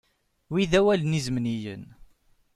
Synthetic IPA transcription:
wiðæwælənizmnijə̰n

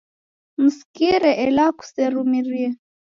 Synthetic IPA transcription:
muskiɾɛʔɛlaku̥sɛɾumiɾiɛ

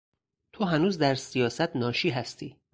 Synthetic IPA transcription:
t̪ʰoɦænuːzd̪æɾsijɒːsæt̪ʰnɒːʃiːɦæst̪ʰiː

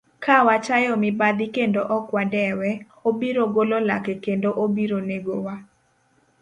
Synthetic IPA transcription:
kawat͡ʃajɔmɪbad̪ɪkendoʔɔkwadɛwɛ | obiɾoɡololakɛkendoʔobiɾoneɡowa

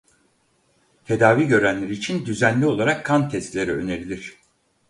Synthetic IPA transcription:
t̪ʰe̞d̪aːviːɟø̞ɾænlʲeɾiːt͡ʃʰind̪yzænlʲio̞lˠaɾakʰːant̪ʰɛst̪lʲe̞ɾiø̞ne̞ɾilʲiɾ̥

